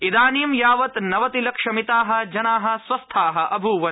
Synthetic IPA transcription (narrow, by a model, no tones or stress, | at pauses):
id̪aːniːmjaːʋɐt̪nɐʋɐt̪ilɐkʂɐmit̪aːɦɐ̆d͡ʒɐnaːɦɐ̆sʋɐst̪ʰaːɦɐʔɐbʱuːʋɐ